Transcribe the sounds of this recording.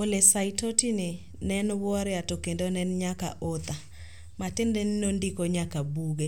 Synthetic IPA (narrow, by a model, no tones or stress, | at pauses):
olesaitotinɪ | nɛnwɔɾɪatokendonɛnɲaka̰ʔot̪a | matendennondikoɲakabuɡe